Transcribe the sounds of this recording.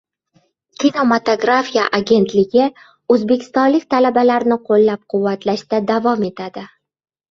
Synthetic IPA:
kʲʰino̞mat̪oɡɾafija̰ʔaɡʲe̞nt̪lɪɡʲɪ | ɵzbe̞kʲʰɪ̥st̪ɒnlɪkʲt̪ʰalabalaɾnɪqʰolːap̚qʰʊvːat̪ʰlaʃd̪ad̪avɒme̞t̪ʰad̪ɪ

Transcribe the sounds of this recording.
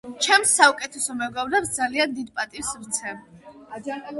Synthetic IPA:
t͡ʃʰɛmsaukʼɛt̪ʰɛsɔmɛɡavɾɛpsd̪zaliand̪id̪pʼat̪ʼivsɾt̪sʰɛ

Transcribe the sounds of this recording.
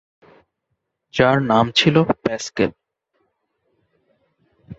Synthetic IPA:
d͡ʑaɾnamt͡ɕʰilopɛskel

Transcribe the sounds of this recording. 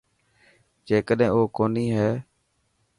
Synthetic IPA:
d͡ʒeːkəɗɦẽːoːkoːniːɦɛː

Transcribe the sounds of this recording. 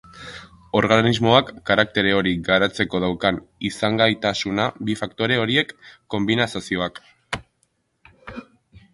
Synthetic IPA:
o̞ɾɣanizmo̞akːaɾak̚t̪e̞ɾe̞o̞ɾiɡaɾat͡se̞ko̞ðawkanisaŋɡajt̪asunabifakt̪o̞ɾe̞o̞ɾie̞kːo̞mbinasasio̞ak

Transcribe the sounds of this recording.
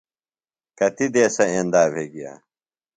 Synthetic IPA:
kɐt̪id̪eːsɐẽːnd̪aːbʱeːɡija̰ː

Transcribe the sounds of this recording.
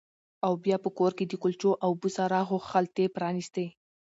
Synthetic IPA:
awbjɑpəkoɾked̪əkʊlt͡ʃoʔawbusaɾɑxoxalt̪epɾɑnist̪e

